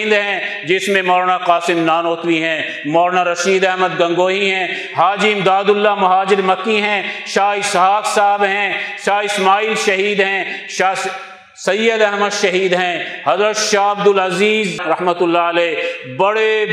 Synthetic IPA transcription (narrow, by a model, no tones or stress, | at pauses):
nd̪ɦɛ̃d͡ʒɪsmẽmɔːɾnaqaːsɪmnaːnoːt̪wiɦɛ̃ː | mɔːɾnaɾɐʃiːd̪ɛɦməd̪ɡɐ̃ŋɡoːɦiɦɛ̃ː | ɦaːd͡ʒimd̪aːd̪ʊlːamɐɦaːd͡ʒɪɾmɐkːiɦɛ̃ʃaːɪsɦaːksaːbɦɛ̃ːʃaːɪsmaːiːlʃɐɦiːd̪ɦɛ̃ʃa | sɐjːəd̪ɛɦməd̪ʃɐɦiːd̪ɦɛ̃ | hɐzɾət̪ʃaːɐb̚d̪ʊlɐziːzɾɐɦmət̪ʊlːaɐlɛːbɐɽe